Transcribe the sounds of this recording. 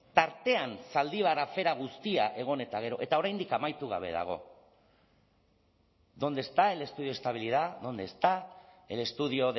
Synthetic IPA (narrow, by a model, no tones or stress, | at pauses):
t̪aɾt̪e̞ansald̪iβ̞aɾafe̞ɾaɣ̞ust̪iaʔe̞ɣ̞o̞ne̞t̪aɣ̞e̞ɾo̞ʔe̞t̪ao̞ɾajnd̪ikamajt̪uɣ̞a̰β̞e̞̰ða̰ɣ̞o̞̰ | ðo̞nd̪e̞st̪ae̞le̞st̪uðioest̪aβ̞iliðaðo̞nd̪est̪aele̞st̪uðio̞ð